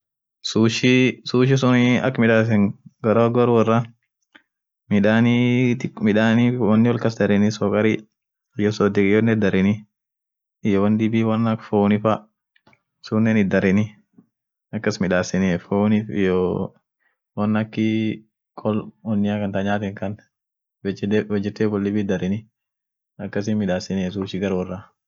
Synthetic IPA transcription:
suːʃɪsuːʃ̬ɪs̬ʊnɪɐ̰kːmɪᶑaːs̬ɛŋɡɐɾoːɡɐɾʊwɐrːɐ | mɪᶑaːnit̪ɪkmɪᶑaːniwɐnːɪwɔlkɐsd̪ɐɾɪnɪsɔkʼɐɾɪ | ɪjɔsɔd̪ɪkʼɪjɔnːɛd̪ɐɾɪnɪ | ɪjɔwɐnd̪ɪbiːwɐnːɐkfoːnɪfa | sunːɛnɪd̪ɐɾɪnɪ | ɐkːɐsmɪᶑaːsɪneːfonɪfɪ̰jɔ | wɐnːɐkːɪ | kʼɔlwɔnːɪakɐnt̪aɲaːt̪ɛŋkɐn | bɛt͡ʃːɛdwɔd͡ʒːɛt̪ːeːkɔld̪ɪbiːd̪ɐɾɪnɪ | ɐkːɐs̬ɪmɪᶑaːsɪneːs̬uʃɪɡɐɾwɔrɐ

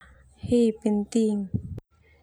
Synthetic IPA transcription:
hepent̪iŋ

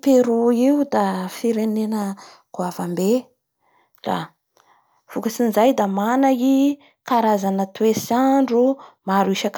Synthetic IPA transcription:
peɾuiud̪afiɾenenə | kuavambe | ra̰ | v̥ukasinzajd̪amanai | kaɾazanət̪wesaɳɖ͡ʐumaɾiʃak

